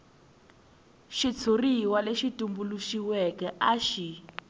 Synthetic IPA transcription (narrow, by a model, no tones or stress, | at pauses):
ʃit͡sʰuriwaleʃitumbuluʃiwɛkɛʔaʃi